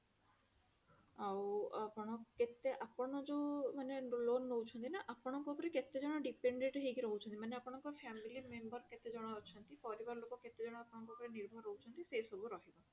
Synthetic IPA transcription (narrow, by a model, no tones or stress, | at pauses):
awapɔɽ̃ɔket̪eʔapɔɽ̃ɔd͡ʒemanelonːowt͡ʃʰɔnt̪inaʔapɔɽ̃ɔŋkɔkɔɾeket̪ed͡ʒɔɽ̃ɔɖipeɳɖeʈɦejkiɾɔɦut͡ʃʰɔnt̪imaneapɔɽ̃ɔŋkɔpʰamilimembɔɾket̪ed͡ʒɔɽ̃ɔɔt͡ʃʰɔnt̪ifɔɾibaɾɔlokɔket̪ed͡ʒɔɽ̃ɔapɔɽ̃ɔŋkɔkɔɾeniɾbʱɔɾːɔɦut͡ʃʰɔnt̪isesɔbʱuɾɔɦibɔ